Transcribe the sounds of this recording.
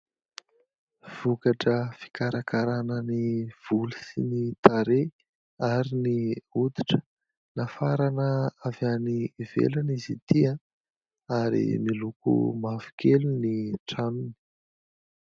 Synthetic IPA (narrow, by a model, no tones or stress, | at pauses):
v̥ukaʈ͡ʂəfi̥kaɾakaɾanəniv̥ulusinit̪aɾe | aɾiniud̪i̥ʈ͡ʂə̥ | nafaɾanəavjanivḛlanizit̪ia | aɾḭmilukṵmavu̥kʰeluniʈ͡ʂanuni̥